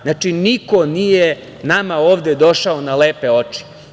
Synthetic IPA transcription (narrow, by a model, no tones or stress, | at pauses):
znat͡ʃiniko̞nije | namaoːʋd̪ed̪o̞ʃaonaleːpe̞o̞t͡ʃi̥